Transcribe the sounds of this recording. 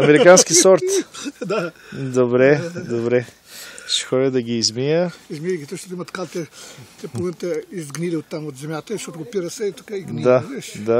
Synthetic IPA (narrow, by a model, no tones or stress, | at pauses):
ɐmɛɾikanskisɔɾt̪d̪ad̪obɾɛd̪obɾɛ | ʃi̥xɔdʲəd̪ɐɡiːzmijəizmiɐɡʲit̪ɔʃt̪ɐt̪imɐt̪kalˠt̪ɛt̪ɛpuɾlˠmẽnt̪ɛizɡniɾiut̪ɐmud̪zɛmʲjat̪ɛʃɔt̪ɡʊpiɾɐsɛt̪ukaiɡd̪aveʃd̪a